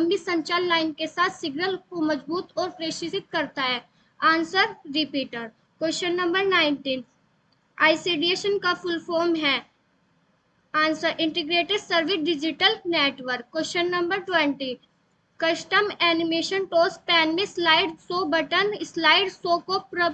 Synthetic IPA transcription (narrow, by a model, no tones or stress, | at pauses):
ɐmbisɐ̃ɲt͡ʃalːaːɪnkesaːt̪ʰsɪɡnəlkomɐd͡ʒbuːt̪ɔːɾpɾeːʃɪsɪt̪̚kɐɾt̪aɦɛː | ãːnsəɾɾɪpiːʈəɾ | kweʃənːɐ̃mbəɾnaːɪnʈiːn | a̰ːɪseːɖieːʃənkafʰʊlfʰoːɾmɦɛː | aːnsəɾʔɪ̃ɳʈɪɡɾeːʈeɖsəɾʋɪɖɪd͡ʒɪʈəlneːʈʋəɾkːweːʃənːɐ̃mbəɾʈwɛ̃ɳʈi | kɐʃʈəmɛːnɪmeːʃənʈoːspɛːnmẽslaːɪɖsoːbɐʈənslaːɪɖsoːkopɾə